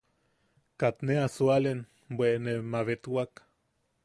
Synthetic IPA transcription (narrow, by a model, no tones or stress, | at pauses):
kat̪neasualen | bweʔnemaβet̪wak